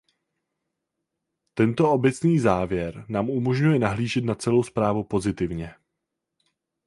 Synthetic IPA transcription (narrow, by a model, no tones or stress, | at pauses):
t̪ɛnt̪o̞ʔo̞bɛt͡sniːzaːvjɛɾnaːmumo̞ʒɲujɛnaɦliːʒɛt̪nat͡sɛlo̞wspɾaːvupo̞zɪt̪ɪvɲɛ